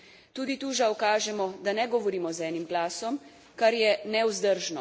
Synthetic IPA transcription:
t̪uːd̪it̪uʒawkaːʒɛmɔd̪anɛɡɔʋɔɾiːmɔzɛːnimɡlaːsɔm | kaɾjɛnɛuzd̪əɾʒnɔ

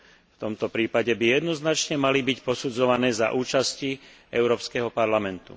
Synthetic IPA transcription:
ft̪ɔmt̪ɔpɾiːpaɟɛbijɛd̪nɔznat͡ʃɲɛmalibicpɔsud͡zɔʋanɛːza̰ʔuːt͡ʃasci | ɛʊɾɔːpskɛɦɔpaɾlamɛnt̪ṵ

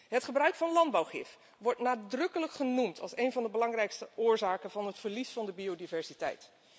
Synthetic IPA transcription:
ɦətχəbrœɥkfɑnlɑnd̚bɑwχɪ̰f | ʋɔɹtnaːdrɵkələkχənumtʰɑ̰lˠsejnvɑndəbəlɑŋrɛjkstəʊːɹzaːkənvɑnɦətfəɹlisfɑndəbiodivɛɹsitɛ̰jt

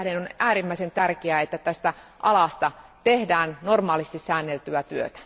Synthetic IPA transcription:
nenonʔæːrimːæisent̪ærkeæet̪ːæt̪ːæst̪æʔɑlɑst̪ɑt̪ehdæːnnormɑːlist̪issæːnːelt̪yæt̪yø̰t̪æ̥

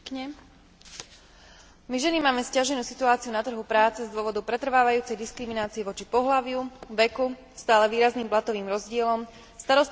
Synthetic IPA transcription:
ɲɛ | miʒɛnimaːmɛscaʒɛnuːsit̪uaːt͡siunat̪r̩ɦupɾaːt͡sɛzd̪ʊɔʋɔd̪upɾɛt̪r̩ʋaːʋajuːt͡sɛjd̪iskɾiminaːt͡siɛʋɔt͡ʃipɔɦlaʋɪuʋɛku | st̪aːlɛʋiːɾazniːmblat̪ɔʋiːmɾɔzɟɪɛlɔm | st̪aɾɔst̪

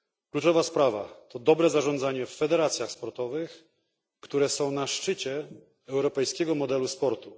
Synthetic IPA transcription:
klut͡ʂɔvaspɾava̰t̪ɔd̪ɔbɾɛzaʐɔ̃nd̪zaɲɛfːɛd̪ɛɾat̪sʲjaxspɔɾt̪ɔvɘx | kt̪uɾɛsɔ̃w̃naʂt͡ʂɘt͡ɕɛ | ɛwɾɔpɛjskʲɛɡɔmɔd̪ɛluspɔɾt̪u

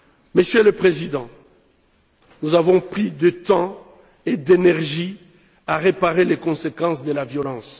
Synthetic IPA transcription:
məsjøləpχezid̪ɑ̃ | nuzavɔ̃pχid̪ət̪ɑ̃ | ed̪enɛʁʒi | aʁepaʁelekɔ̃sekɑ̃sd̪əlavjɔlɑ̃s

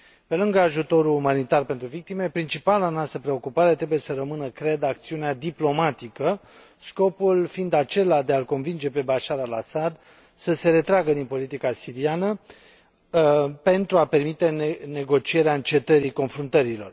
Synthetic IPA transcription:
pe̞lɨŋɡəaʒut̪o̞ɾuumanit̪arpe̞nt̪ɾuvik̚t̪ime̞pɾint͡ʃipalanoast̪ɾəpɾe̞o̞kupaɾe̞t̪ɾebuje̞səɾəmɨnəkɾe̞d̪ak̚t̪siunead̪iplo̞mat̪ikə | sko̞pulfind̪at͡ʃe̞lad̪ealko̞nvind͡ʒe̞pe̞baʃaɾalasad̪ | səse̞ɾe̞t̪ɾaɡəd̪inpo̞lit̪ikasiɾianə | pe̞nt̪ɾuape̞rmit̪e̞ene̞ɡo̞t͡ʃie̞ɾeaɨnt͡ʃe̞t̪əɾiko̞nfɾunt̪əɾilo̞̰r

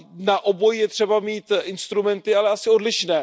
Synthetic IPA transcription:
naʔo̞bo̞jjɛt̪r̝̥ɛbamiːt̪ɪnst̪ɾumɛnt̪ɪalɛasɪo̞dlɪʃnɛː

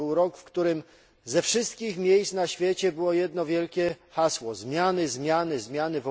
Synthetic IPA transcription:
ɘwɾɔkfkt̪uɾɘm | zɛfʂɘst̪kʲixmʲjejsnaɕfʲjet͡ɕɛbɘwɔjɛd̪nɔvʲjɛlkʲɛxaswɔzmʲjanɘzmʲjanɘzmʲjanɘvɔ

